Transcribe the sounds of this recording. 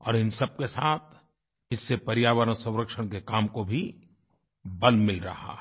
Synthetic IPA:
ɔ̰ːɾɪnsɐb̚kesaːt̪ʰ | ɪsːepɐɾɪjaːʋəɾɔsɐ̃w̃ɾəkʃəɽ̃kekaːmkobʱi | bɐlmɪlɾɐ̰ɦa̰

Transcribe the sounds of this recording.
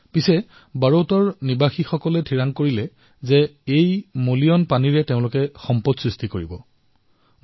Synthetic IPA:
pisɛ | baɹotɔɹnibaxixɔkɔlɛtʰiɹaŋkoɹilɛ | zɛejmoliɔnpaniɹɛteʊ̃lʊkɛxɔmpɔtsɹistikoɹibɔ

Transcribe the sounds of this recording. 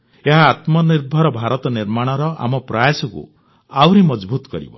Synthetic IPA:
eɦaːt̪mɔniɾbʱɔɾɔbʱaɾɔt̪ɔniɾmaɽ̃ɔɾɔa̰mɔpɾajasɔkṵ | awɾimɔd͡ʒbut̪ɔ̥kɔɾḭbɔ̰

